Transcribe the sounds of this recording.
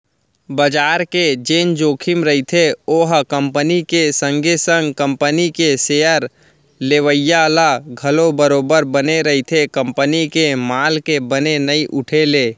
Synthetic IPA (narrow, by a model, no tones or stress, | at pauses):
bəd͡ʒaːɾked͡ʒeːnd͡ʒoːkʰɪmɾəit̪ʰeoːɦkə̃mpənikesə̃ŋɡesə̃ŋɡkə̃mpənikeseːəɾ | leːʋəjːalaɡʱəlobəɾoːbəɾbəneɾəit̪ʰekə̃mpənikemaːlkebənenəiʔʊʈʰeleː